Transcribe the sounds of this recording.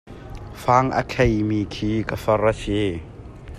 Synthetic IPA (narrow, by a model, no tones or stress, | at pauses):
faːŋə̰kʰejmikʰiːkafɐrəsi